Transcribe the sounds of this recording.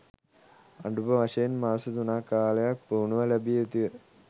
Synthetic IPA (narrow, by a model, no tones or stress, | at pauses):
ɐɳɖubɐʋɐɕɐjinmaːsɨd̪unaːkːaːlɐjapuːɳuʋɐlɐbiet̪ːiɐ